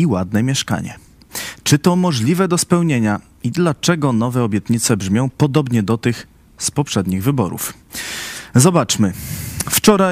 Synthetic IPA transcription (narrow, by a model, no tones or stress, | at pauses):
iwad̪̚nɛmʲjɛʂka̰ɲɛ̰ | t͡ʂɘt̪ɔmɔʐlʲivɛd̪ɔspɛwɲeɲa | id̪lat͡ʂɛɡɔnɔvɛɔbʲjɛt̪ɲit̪sɛbʐmʲjɔ̃w̃pɔd̪ɔbɲɛd̪ɔt̪ɘx | spɔpʂɛd̪ɲiɣvɘbɔ̰ɾṵf | zɔbat͡ʂmɘft͡ʂɔɾa